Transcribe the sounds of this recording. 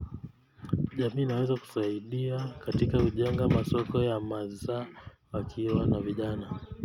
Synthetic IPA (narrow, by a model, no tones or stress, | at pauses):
ʄamiːnawɛzaku̥saiɗiakatikakuʄɛŋɡamasɔkɔjamaza | wakʰiwanaviʄana